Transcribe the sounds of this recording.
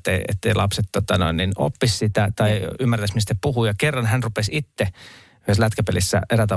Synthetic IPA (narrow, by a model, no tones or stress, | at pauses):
t̪ːeiḛt̪ːeilɑpset̪t̪ot̪ɑno̰inːino̰pːissit̪æt̪ɑiymːært̪æsmist̪æpuhuːjɑkerːɑnhænrupesit̪ːe | yheslæt̪kæpelisːæ̰ʔeræt̪æ